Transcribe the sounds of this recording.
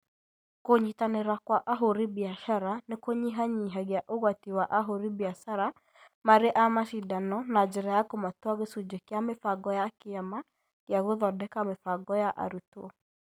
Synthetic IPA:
koɲitaneɾakwaʔaɦoɾibiaʃaɾanekoɲiɦaɲiɦaɣjaʔoɣwatiwaʔaɦoɾibiaʃaɾa | maɾeʔamaʃidanɔnad͡ʒeɾajakomatwaɣesud͡ʒekjamefaɡɔjakeama | ɣjaɣoðɔdɛkamefaɡɔjaʔa̰ɾutwɔ

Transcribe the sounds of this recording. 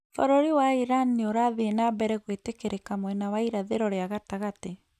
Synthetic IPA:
fɔɾɔɾiwaiɾanioɾaðeenabɛɾɛɣwetekeɾekamwɛnawaiɾaðeɾɔɾeaɣataɣate

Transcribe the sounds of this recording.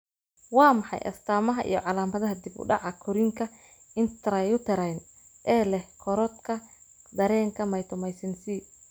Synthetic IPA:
wɑːmɑħɑ̰jʔɐ̰st̪ʰaːmɐɦɐʔḭjɔ̰ʕɑlaːmɐðɐɦɐd̪ibʊ̰ɖɑʕɑkʰɔɾɪŋkʰɐ | ɪnt̪ʰɾɐjʊt̪ʰɐɾɛjn | ʔɛːlɛhkʰɔɾɔt̪kʰɐ | d̪ɐɾɛːŋkʰɐmɐjt̪ʰɔmɛjsɐnsiː

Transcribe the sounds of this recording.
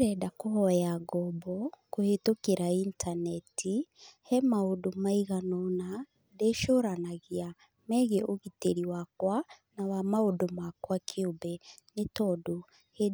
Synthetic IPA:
ɾɛdakohɔjaɡɔbɔkohetokeɾaintʰanɛtʰihɛmaodomaiɣanɔna | deʃoɾanaɣia | mɛɣeoɣiteɾiwakwanawamaodomakwakʰiobɛnetɔdo | he

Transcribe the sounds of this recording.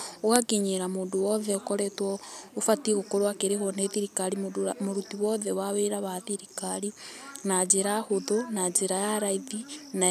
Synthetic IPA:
waɡeɲeɾamoːndowɔðɛokɔɾɛtwɔofatiɣokoɾwakeɾeɦwɔneðiɾikaɾimoɾutiwɔðɛwaweɾaβaðiɾikaɾinad͡ʒeɾahoðonad͡ʒeɾajaɾaiðina

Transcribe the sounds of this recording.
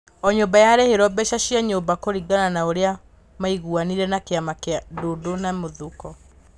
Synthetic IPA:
ɔɲobajaɾɛheɾɔbɛʃaɕiaɲobakoɾiɡananaoɾea | maiɣuaniɾɛnakeamakeadodonamoðukɔ

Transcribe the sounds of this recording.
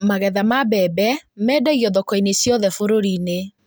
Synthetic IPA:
maɣɛðamabɛbɛmɛːdaɣiɔðɔkɔinesjɔðɛfoɾoɾine

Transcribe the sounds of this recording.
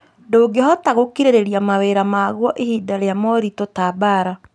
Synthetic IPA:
ndoːɡehɔtaɣokiɾeɾeɾijamaweɾamaɣwɔʔehiːdaɾejamɔɾitotaːbaɾa

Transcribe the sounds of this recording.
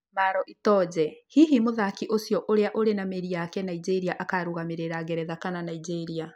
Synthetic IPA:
maɾɔʔitɔːd͡ʑɛhiɦimoðakiʔosjɔʔoɾeaʔoɾenameɾiakɛnaid͡ʑeɾiaʔakaɾoɣameɾeɾaɣeɾɛðakananaid͡ʑeɾia

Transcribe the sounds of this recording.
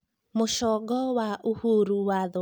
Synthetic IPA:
moʃɔɡɔwaʔuhuɾuwað

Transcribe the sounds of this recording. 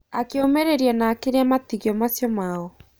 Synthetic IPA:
akeomɛɾeɾianaːkeɾeamatiɣiɔmasjɔmaɔ

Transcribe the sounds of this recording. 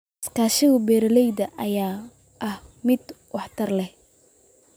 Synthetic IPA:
skʰaːʃɪɣʊbɛːɾɐlɛjd̪ɐʔɐjaː | ʔɐhmɪd̪wɑħt̪ʰɐrlɛh

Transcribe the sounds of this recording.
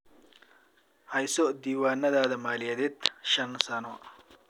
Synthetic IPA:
hɐjsoʔd̪iːwaːnɐd̪aːd̪ɐmaːlijɐd̪et̪ʃɐnsanoʔ

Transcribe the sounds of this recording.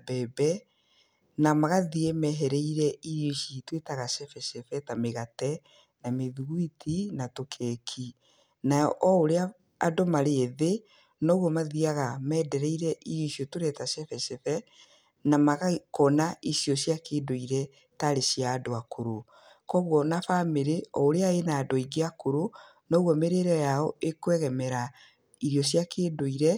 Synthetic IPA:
bɛbɛ | namaɣaðiɛmɛɦɛɾɛiɾɛiɾoʃitwetaɣaʃɛfɛʃɛfɛtameɣatɛ | nameðuɣwitʰinatokʰɛːkʰi | naɔʔɔoɾea | a̰domaɾeeðe | nɔːɣwɔmaðiaɣamɛːdɛɾɛiɾɛʔiɾjoisjɔtoɾɛtasɛfɛʃefɛ | namaɣakɔnaisjɔɕjakeːdoiɾɛ | taɾesiaːdoakoɾo | kɔɣwɔnafameɾeɔoɾeaenaːdɔiɡeakoɾo | nɔːɣwɔmeɾeɾɔjaɔʔekwɛɣɛmɛɾa | iɾjɔɕjakeːdoiɾɛ

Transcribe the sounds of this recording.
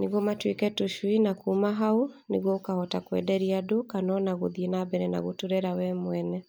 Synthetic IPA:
neɣwɔmatwekɛtoʃuinakumaɦaoneɣwɔokahɔtakwɛ̰dɛɾiadokanɔnaɣoðienabɛɾɛna̰ɣotoɾɛɾawɛmwɛnɛ

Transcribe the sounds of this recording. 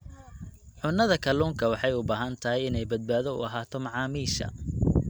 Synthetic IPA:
ʕʊnːɐðɐkʰɐluːŋkʰɐwɑħɑjʊbaːɦɐnt̪ʰɐɦɛjɪnɛjbɐd̪̚baːðɔʊ̰ɐɦaːt̪ʰɔmɑʕɑːmiːʃɐ̰

